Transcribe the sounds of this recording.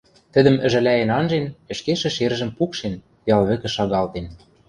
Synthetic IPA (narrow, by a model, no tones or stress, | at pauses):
t̪ə̆d̪ə̆mɘ̆ʒɘ̆læenɑnʒenɘ̆ʃkeʃɘ̆ʃerʒə̆mpukʃen | jɑlβɘ̆kɘ̆ʃɑɣɑlt̪en